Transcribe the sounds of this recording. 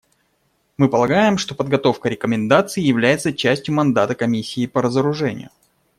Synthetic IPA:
mɨpəlˠɐɡajɪmʂt̪o̞pəd̪̚ɡɐt̪o̞fkəɾʲɪkəmʲɪnd̪at̪sɨɪjɪvlʲæjɪt̪sət͡ɕæsʲtʲjʊmɐnd̪at̪əkɐmʲisʲːɪːpəɾəzəɾʊʐɛnʲɪ̰jʊ

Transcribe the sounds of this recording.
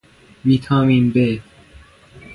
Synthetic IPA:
miːt̪ʰɒːmiːmbe

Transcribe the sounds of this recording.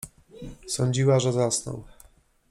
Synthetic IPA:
sɔɲd͡ʑiwaʐɛzasnɔ̰w

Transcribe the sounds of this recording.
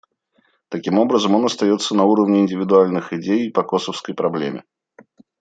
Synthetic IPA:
t̪ɐkʲimo̞bɾəzəmo̞nɐst̪ɐjo̞t̪sːənɐuɾəvnʲɪɪnʲdʲɪvʲɪd̪ʊalʲnɨxɪdʲejpɐkosəfskəjpɾɐblʲemʲɪ̰

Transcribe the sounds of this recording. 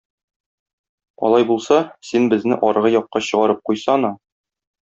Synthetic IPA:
ɒ̰lˠɑjbulˠsɑsinbɘ̆znɘʔɒɾʁɤjɒqːɑɕɤ̆ʁɑɾɤp̚qujsɑnɑ

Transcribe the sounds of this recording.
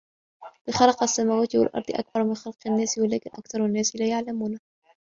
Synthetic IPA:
bɪxɑlɑqasːamaːwæːt̪wa̰lʔɑ̰ɾˤd̪ˤɨʔa̰k̚bɑɾˤmɪnxɑlqanːæːswalæːkɪnʔɑ̰kθɑɾˤanːæːsɪlaːjaʕlamuːna

